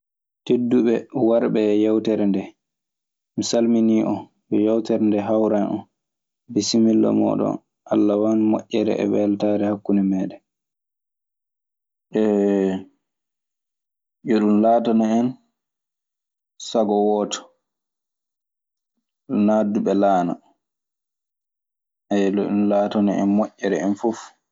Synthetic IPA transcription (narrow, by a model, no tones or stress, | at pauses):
tedːuɓɛwaɾbɛːjawtɛɾndɛ | misalminiʔɔ | bɛjawtɛɾndɛɦawɾanʔɔ̰n | bɛsimilːɔ̰mɔ̰ɗɔ̰n | ʔalːawanmoʔːɛɾɛ̰ʔɛ̰wɛltaːɾɛhakːunɛmɛːɗɛ | ʔɛ | ʔɔɗunlaːtanaɛn | saɡɔwɔtɔ̥ | naduɓɛlaːna̰ | ɛlɔɗunlaːtɔnaɛ̰nmɔʔːɛɾɛɛnfuf